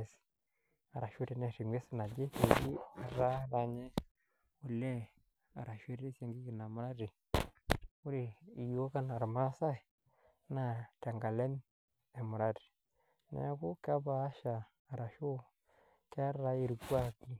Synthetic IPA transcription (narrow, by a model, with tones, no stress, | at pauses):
s | a˨ɾa˨ʃu˦te˨ne˨ti˨ŋʷe˦sna˨d͡ʒe˦ke˨ɡi˦a˨ɾa˦ɾa˨ɲɛ˦ | u˨lːɛ˦ | a̰˨ɾa˨ʃe˦ɾi˦sa˨ŋɡi˦kɪ˨na˨ma˨ɾa˦di˨ | u˦ɾi˨i˨jo˦ka˦na˨ɾma˦ɾa˦sa˦˨ | na˨ta˨ŋɡa˨le˦n | e˨ma˨ɾa˦di̥˨ | nḛ˨˦ku˦ka˦baː˨˦ʃaː˨ | ɾa˨ʃu˦ | ke˦a˦ra˦e˨ɾu˨ɡu˦a˦˨ki˦